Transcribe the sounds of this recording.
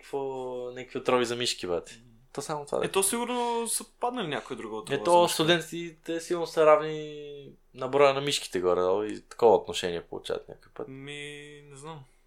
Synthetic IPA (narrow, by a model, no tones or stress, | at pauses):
kvonʲɛkəkviot̪ɾɔvizɐmiʃkibɛt̪ɛ̥ | t̪ɔsamot̪ova̰ɛt̪ɔsiɡʊɾnosəpad̪nɐlinʲjakoid̪ɾuɡoot̪ɛb̪ɔst̪ʊd̪ɛnt̪it̪ɛsilˠnosɐɾavni | nɐbɾɔjənɐmiʃki̥t̪ɛɡoɾɛd̪alˠḭt̪ɐ̥kɔvɐot̪noʃɛniɛpo̰lˠṵt͡ʃa̰v̰t̪nʲa̰kojpə̰t̪minɛznam